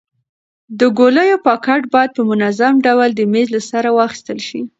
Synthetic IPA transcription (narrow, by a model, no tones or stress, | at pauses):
d̪əɡoləjopɑkaʈbɑjad̪̚pəmʊnazamɖawald̪əmezlasaɾawɑxi̥st̪əlʃi